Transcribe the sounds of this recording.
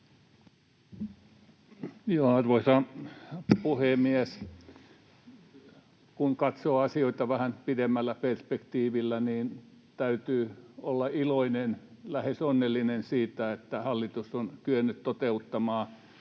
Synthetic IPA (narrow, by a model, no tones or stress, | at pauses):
joːɑrʋoisɑ | puhemies | kuŋkɑt̪soːɑsioit̪ɑʋæhænpidemːælːæperspekt̪iːʋilːæniːnt̪æyt̪yːolːɑiloinenlæhesonːelːinensiːt̪æet̪ːæhɑlːit̪usonkyønːyt̪t̪ot̪eut̪ːɑmɑː